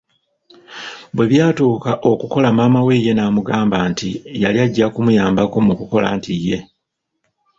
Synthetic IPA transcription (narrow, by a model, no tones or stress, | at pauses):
bwe̞βjaːtuːkaʔo̞kuko̞lamaːmawe̞je̞naːmuɡaːmbaːntijalijaɟːakumujaːmbako̞mukuko̞la̰ːntijːe̞